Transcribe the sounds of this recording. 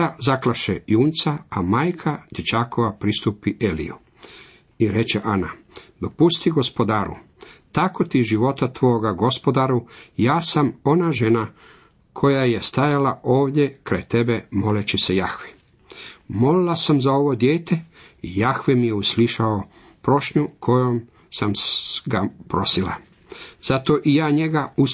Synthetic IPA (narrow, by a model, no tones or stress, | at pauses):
azaklaʃḛjuːnt̪saamaːjkʰad̪̥et͡ʃakoʋapɾist̪uːpiʔelḭju | iɾe̞t͡ɕeʔana | d̪o̞pust̪iɡo̞spo̞d̪aːɾṵt̪akot̪iʒiʋo̞t̪at̪ʋo̞ɡaɡo̞spod̪aɾujaːsamo̞naʒe̞na | kʰo̞jaje̞st̪ajalaʔo̞ːʋd̪ʲje̞kɾajt̪e̞be̞mo̞let͡ɕesejaxʋe | mo̞lilasamzao̞ʋo̞d̪jeːt̪e̞ | ijaxʋemijeusliʃao | pɾo̞ʃɲukʰo̞jom | samɡapɾo̞sila̰ | z̥at̪o̞ʔijaːɲe̞ɡau